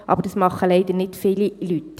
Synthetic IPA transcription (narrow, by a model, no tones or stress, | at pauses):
ʔɑ̰ːbəɾdɑsmɑχəlɛɪdənɪtfiːlilyt